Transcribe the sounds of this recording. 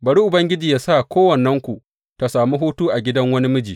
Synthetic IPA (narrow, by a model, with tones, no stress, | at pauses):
bɐ˨ɽu˦ʔʊ˨bɐ˦ŋɡʲɪ˦d͡ʒiː˨jaː˦sa˦˨kʷʰoː˦wɐ˨nːɐ˦ŋkʷu˨ | ta˨saː˨mi˦ɦuː˦tuː˦ʔa˨ɡʲɪ˦dɐ˦ŋwɐ˦ni˦mʊ˦d͡ʒiː˨